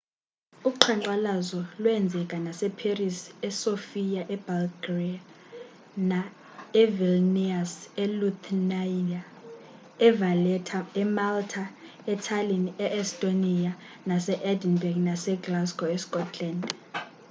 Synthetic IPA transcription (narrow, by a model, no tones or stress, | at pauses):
uǃʰaǀalazɔlwɛnd͡zʱɛkʼanasɛpʰerisɛsofijaʔɛbalɡria | na | ɛvilniasɛlutʰnaa | ɛvalɛtʰaɛmaltʰa | ɛtʰalinɛʔɛstʼonija | nasɛʔɛdinbɛɡnasɛɡlasɡʼɔɛskʼɔtʰland